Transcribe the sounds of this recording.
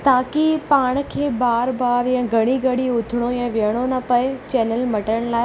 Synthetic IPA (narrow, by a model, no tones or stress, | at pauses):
t̪aːkipaːɽ̃kʰeːbaːɾbaːɾjãɡʱɐɽ̃iɡɐɽiʊt̪ʰɪɽ̃ojãʋɪəɽ̃onɐpɐɪt͡ɕɛːnəlmɐʈəɽ̃laːɪ